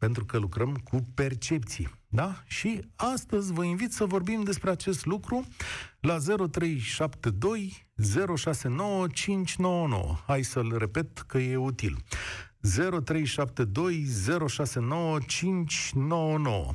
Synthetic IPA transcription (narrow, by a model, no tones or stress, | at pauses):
pe̞nt̪ɾukəlukɾəmkʰupe̞rt͡ʃe̞pt̪sijḛd̪aʃiast̪əzʲvəinvit̪səvo̞rbimd̪e̞spɾeat͡ʃe̞st̪lukɾulaze̞ɾo̞t̪ɾe̞jʃapt̪ed̪o̞j | ze̞ɾo̞ʃase̞no̞wət͡ʃint͡ʃʲno̞wəno̞̰wə̰hajsəlre̞pe̞t̪kəje̞ut̪ḭl | ze̞ɾo̞t̪ɾe̞jʃap̚t̪ed̪o̞jze̞ɾo̞ʃase̞no̞wət͡ʃint͡ʃʲno̞wəno̞̰wə̰